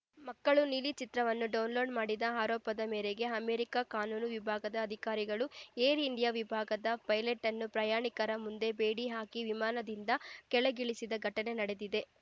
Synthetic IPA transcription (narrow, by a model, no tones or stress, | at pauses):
mɐkːɐɭunilit͡ʃit̪ɾɐʋɐnːuɖɐwnlo̞ːɖmaːɽid̪ɐaːɾɔːpɐd̪ɐmeːɾeɡe̞ɐmeːɾikakaːnuːnuʋibʱaːɡɐd̪ɐːd̪ʱikaːɾiɡɐɭueːɾiɳɖijaʋibʱaːɡɐd̪ɐpɐjleʈːɐnːupɾɐjaːɳikɐɾɐmund̪e̞beːɽiɦaːkiʋimaːnɐd̪ind̪ɐkɛɭeɡiɭisid̪ɐɡʱɐʈɐne̞nɐɽe̞d̪id̪e̞